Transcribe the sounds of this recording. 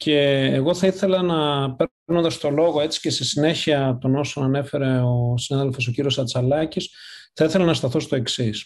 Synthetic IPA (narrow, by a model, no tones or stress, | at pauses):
ce̞ːɣo̞θɐiθe̞lɐnɐpe | no̞nd̪ɐst̪o̞lo̞ɣo̞e̞t͡si̥ce̞st̪isine̞çiɐt̪o̞no̞so̞nɐne̞fe̞ɾe̞osinaðelfo̞s̬o̞ciɾio̞sɐt͡sɐlɐcisθɐiθelɐnɐst̪ɐθo̞st̪o̞e̞ksis